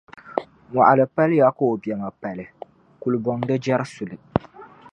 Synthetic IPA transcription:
ŋa̰˨ʔa˨lɨ˨pa˦lja˦ko˦o˨bjɛ˨ŋa˨pa˨lɪ˨ | ku˨lɨ˨bɔ˨ŋ˦dɨ˦d͡ʒɛ˦ɾɨ˦su˨lɨ˨

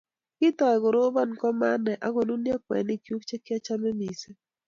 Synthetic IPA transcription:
kɪ˦tɔ˨ɛ˨ɡo˨ɾo˦ba˦˨nkɔ˦ma˦nɛ˨ʔa˦ɡo˨nu˦nja˦k̚wɛ̰˨nɪ˦˨kju˦k̚t͡ʃe˦kɪ˦a˦t͡ʃa˦me˦mi˨se˦

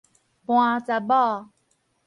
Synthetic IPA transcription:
pw̃ã˧t͡sa˧bɔ˦

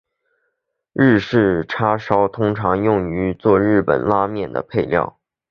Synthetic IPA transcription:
ɻ̩˥˧ʂɻ̩˥˩ʈ͡ʂʰa˥ʂɑ˥ʊt̪ʰʊ˥ŋʈ͡ʂʰɑ˧˥ŋjʊ˥˩ŋy˧˥t͡swɔ˥˧ɻɻ̩˥˩pə̰˨˩nla˥mjɛ˥˩nd̪ə̰˩pʰe˥˧ɪljɑ̰˥˩ʊ

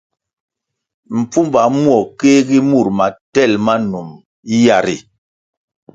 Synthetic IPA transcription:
m̩˨p͡fu˦m˦ba˨˦mwɔ˨ke˦ɡi˦mu˦˨ɾma˨tɛ˦˨lma˦nu˨m˦ | ja˨ɾḭ˨

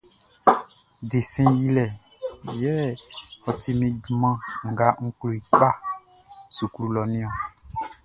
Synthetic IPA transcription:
de˨sɛ̃˦ji˦lɛ˨ | jɛ˦ɔ˨t̪i˦mĩ˨ɡmã˦ŋ̩˨ɡa˨ŋ̩˦klu˨i˨k͡pa˦ | su˨klu˨lɔ˨nĩ˦ɔ˨

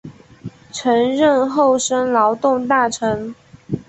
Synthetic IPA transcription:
ʈ͡ʂʰə˧˥ŋɻə˥˧nxo˥˩ʊʂə˥nlɑ˧˥ʊt̪ʊ˥˧ŋt̪a˥˩ʈ͡ʂʰɤ˧˥ŋ

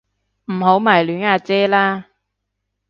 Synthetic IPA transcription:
m̩˨˩ho˨˥wmaː˨˩jlyː˨˥naː˧t͡sɛː˥laː˥

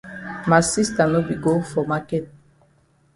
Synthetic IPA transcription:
ma˨si˦sta˨no˦bi˨ɡo˦fɔ˨ma˦kɛ˦t̚

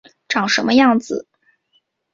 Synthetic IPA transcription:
ʈ͡ʂɑ˨˩ŋʂə˧˥nmə˧jɑ˥˩ŋd͡zɹ̩˨˩

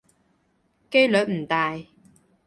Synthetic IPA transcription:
ke˥jlœː˨˥m̩˨˩t̪aː˨j

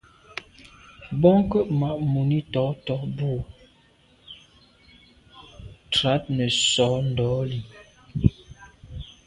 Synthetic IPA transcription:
bɔ˦ŋkə˦ma˨ʔmu˨ni˦tɔ˨˦tɔ˨˦bu˦˨ | tɾa˨˦t̚nɛ˨sɔ˨˦n˨dɔ˨˦li˨

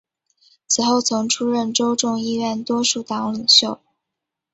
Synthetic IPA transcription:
t͡sʰɹ̩˨˩xo˥˩ʊt͡sʰʊ˧˥ŋʈ͡ʂʰu˥ɻə˥˩nʈ͡ʂo˥ʊʈ͡ʂʊ˥˧ŋi˥˧ɥɛ˥˩nt̪wɔ˥ʂu˥˩t̪ɑ˧˥ŋli˨˩ŋɕjo˥˩ʊ

